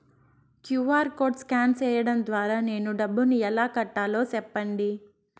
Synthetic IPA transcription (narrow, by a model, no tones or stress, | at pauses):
kjuːʋaːɾko̞ːʈskaːnsɛːjɐɽɐnd̪ʋaːɾaːne̞ːnuɖɐbːuniɛlaːkɐʈːaːlo̞ːsɛpːɐɳɖi